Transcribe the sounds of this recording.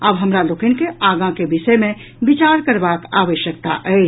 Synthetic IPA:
əbɦəmɾaloːkənkeaɡãkebisəmẽ | bit͡ʃaɾkəɾbaka̰ʋəʃjək̚t̪a̰ʔɛɪt͡ʃ

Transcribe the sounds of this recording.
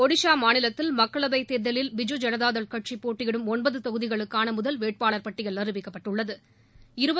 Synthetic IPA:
ɔɽɪʂaːmaːnɪlɐt̪ːɪlmɐkːɐɭɐbɐɪt̪ːeːɾðɐlɪlʋɪd͡ʒɔd͡ʒɐnɐðaːðɐɭkɐʈ̚t͡ʃipːoːʈːɪɣɪɽɯmɔnbɐðɯt̪ɔɣɯðɪɣɐɭɯkːaːnɐmʊðɐlʋeːʈ̚paːɭɐɾpɐʈːɪɣɐɭːɐɾɯbɪkːɐpːɐʈːɯɭːɐðɯ | ɪɾɯbɐ

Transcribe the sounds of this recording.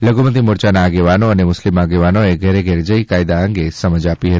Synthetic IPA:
ləɡumət̪imoɾt͡ʃanaːɡeʋanoənemʊslimaɡeʋanoeɡʱɛɾeɡʱɛɾd͡ʒəikajd̪aəŋɡesəməd͡ʒapiɦət̪i̥

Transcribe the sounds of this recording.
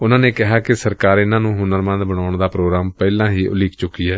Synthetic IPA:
ʊnãːneːkɪɦaːkɪsəɾkaːɾɪnãːnũːɦʊnəɾmə̃nd̪bəɽ̃aːʊɳd̪aːpɾoːɡɾaːmpɛːlãːɦiːʔʊliːkt͡ʃʊkːiːɛː

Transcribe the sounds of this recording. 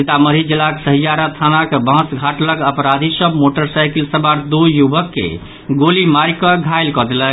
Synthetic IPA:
it̪aməɾid͡ʒilːaksəɦijaɾat̪ʰanakbʱə̃ɦsɡʱaʈləɡəpɾad̪ʱisəbmoʈəɾsajkəlsəbaɾd̪ujubəkːḛ | ɡolimaɾikɔɡʱajlkɔd̪elə

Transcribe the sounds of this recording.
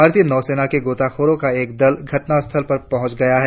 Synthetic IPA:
bʱaːɾt̪iənɔːseːnakeɡoːt̪aːxʰoːɾõkaeːk̚d̪ɐlɡʱɐʈnast̪ʰəlpɐɾpɐɦʊ̃t͡ʃɡɐjaɦɛː

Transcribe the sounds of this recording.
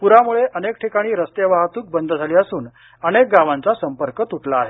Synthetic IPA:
puɾamuɭeʔənek̚ʈʰikaɽ̃iːɾəst̪eʋaɦt̪uːk̚bənd̪ʱd͡zʱaliːəsuːn | əñek̚ɡaʋant͡sasəmpəɾkət̪uʈlaːɦe

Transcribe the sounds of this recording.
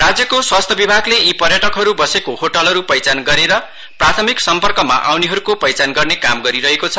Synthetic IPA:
rad͡zjʌkoswast̪ʰʌbibʱaɡleipʌrjʌʈʌkɦʌɾubʌsekoɦoʈʌlɦʌɾupʌjt͡sanɡʌɾeɾʌ | prat̪ʰʌmiksʌmpʌrkʌma̰ʔawniɦʌɾukopʌjt͡sanɡʌrnekamɡʌɾiɾʌɦekot͡sʰʌ

